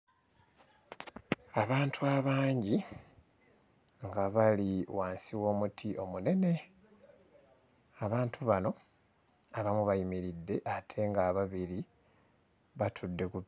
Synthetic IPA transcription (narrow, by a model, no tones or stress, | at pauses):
aβaːntʰuaβaːɲɟi | ŋɡaβaliwaːnsiwo̞ːmutʰiʔo̞mune̞ne̞ | aβaːntʰuβano̞ | aβamuβajimiɾidːe̞ʔatʰe̞ŋɡaːβaβiɾi | βatʰudːe̞kuβ